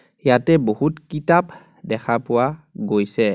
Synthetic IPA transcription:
jatɛbohutkitap | dɛkʰapuwaɡojsɛ

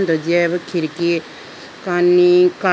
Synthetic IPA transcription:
nd̪od͡ʒɛbkʰiɾki | kanika

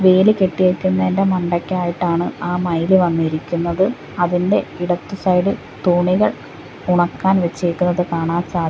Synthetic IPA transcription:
ʋe̞ːlike̞ʈːijekʲːunːɐendemɐɳɖɐkʲːaːjiʈːaːɳɨaːmɐjlɨʋɐnːiɾikʲːunːɐðɨ | ɐðinde̞iɽɐt̪ːusɐjlɨ | t̪uːɳiɣɐɭ | uɳɐkːaːnʋet͡ɕːiikʲːunːɐðɨkaːɳaːnsaːd̪ʱj

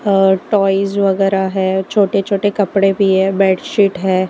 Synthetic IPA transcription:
ʈɔːɪzʋɐɡɛːɾaɦɛːt͡ʃʰoːʈet͡ʃʰoːʈekɐpɽebʱiɦɛ̃ːbɛːɖʃiːʈɦɛː

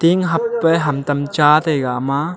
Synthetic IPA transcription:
t̪iŋɦɐpːɛɦɐmt̪ɐmt͡ʃaːt̪ejɡaʔma

